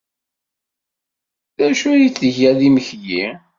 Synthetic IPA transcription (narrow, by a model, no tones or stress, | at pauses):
ðæʃujiθəʝæðiməçji